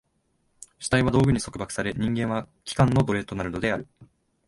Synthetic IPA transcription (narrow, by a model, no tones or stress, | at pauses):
ɕi̥t̪aiβad̪o̞ːɡɯ̟ɲ̟iso̞kɯ̟bakɯ̥saɾe̞ɲ̟ĩŋɡẽ̞ɰ̃βa | kʲi̥kãnːo̞d̪o̞ɾe̞ːt̪o̞naɾɯ̟no̞d̪e̞aɾɯ̟